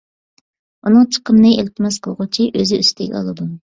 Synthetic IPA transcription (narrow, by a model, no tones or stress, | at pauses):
unɨŋt͡ʃʰə̥qʰəmnɨelt̪ʰɪmɛsqʰəlˠʁʊt͡ʃʰiʔøzɪyst̪ʰɛɡʲɛ̰ɑ̰lˠɨd̪u